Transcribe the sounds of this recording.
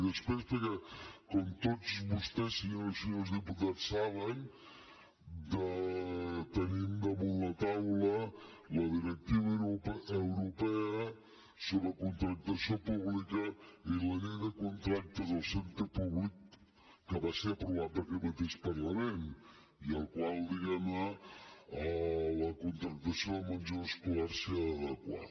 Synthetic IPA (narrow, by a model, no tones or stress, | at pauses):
ðəspɾespəɾkɛkɔmt̪ot͡sβust̪ɛsinəsilˠzðiput̪asaβ̞ən | d̪ə | t̪ənimd̪əmunlət̪awlə | ləðiɾək̚t̪iβəpəwɾupɛə | soβɾəkunt̪ɾək̚t̪əsiopuβlikəiðəneðəkunt̪ɾak̚t̪əzəlˠsent̪ɾəpuβlikː | əβaseəpɾuβaəɾkɛt̪mət̪eʃpəɾləmen | iəlˠkwalˠd̪iɣɛmə | ələkunt̪ɾək̚t̪əsijomənʲd͡ʒoəskulɛɾsiəðəkwa̰